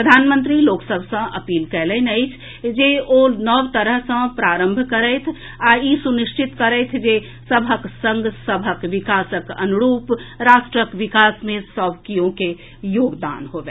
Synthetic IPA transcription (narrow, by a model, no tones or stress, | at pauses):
pɾəd̪ʱaːnmə̃nt̪ɾiloːksəbʱsə̃ɐ̰piːlkɛːlenəɪt͡ʃʰ | d͡ʒeonəʋt̪əɾəɦsə̃pɾaːɾə̃mbʱkəɾɛt̪ʰ | aisunɪʃt͡ʃɪt̪kəɾɛt̪ʰd͡ʒe | səbʱəksə̃ŋɡsəbʱəkʋɪkaːsəkɐ̰nuɾuːpɾaːʃʈɾəkʋɪkaːsmẽsɔːbkijõke | joːɡd̪a̰ːnɦoːbe